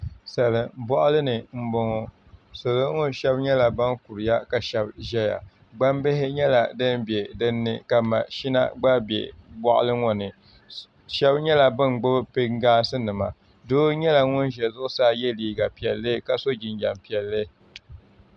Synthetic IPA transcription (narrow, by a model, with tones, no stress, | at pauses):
sa˨lɨ˨bɔ˦ʔʊ˦lɨ˦nɨ˨m̩˦bʊ˨ŋɔ˨ | so˨lɨ˦ŋɔ˦ʃɛ˦bɲɛ˦la˨ba˦nku˨ɾɨ˨ja˦ka˨ʃɛ˦bʒɛ˦ja̰˨ | ɡ͡ba˦mbɪ˦ɦɪ˦ɲɛ˦la̰˨dɨ˦nbɛ˨dɨ˦nːɨ˦ka˨ma˨ʃi˦na̰˦ɡ͡ba˦bɛ̰˨bɔ˦ʔʊ̰˦lɨ˦ŋɔ˨nɨ˨ | ʃɛ˦bɲɛ˦la˨bɨ˦nɡ͡bʊ˦bɨ˦pe˦ŋɡaː˦sɨ˦nɨ˨ma˨ | doː˦ɲɛ˦la˨ŋʊ˦nʒɛ˨zʊ˦ʔʊ˦saː˦˨jɛ˦liː˦ɡa˨pi˨ɛ˨lːɨ˦ka˨so˦d͡ʒi˨nd͡ʒa˨mpi˨ɛ˨lːɨ˦